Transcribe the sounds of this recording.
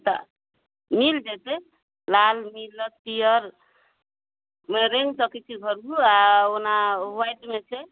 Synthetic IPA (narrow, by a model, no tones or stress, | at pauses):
t̪a̰ | mild͡ʒet̪e | lalmilət̪pijəɾ | meɾeŋɡsɔkɛt͡ʃʰiɡʱəɾbʱuaonaɦajʈmet͡ʃʰɛ